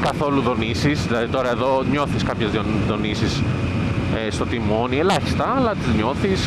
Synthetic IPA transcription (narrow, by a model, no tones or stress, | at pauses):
kɐθo̞luðo̞nisisðilɐðit̪o̞ɾɐe̞ðo̞ɲo̞θiskɐpçezðoðo̞nisis | est̪ot̪imo̞nie̞lɐçi̥st̪ɐɐlɐt̪izɲo̞θis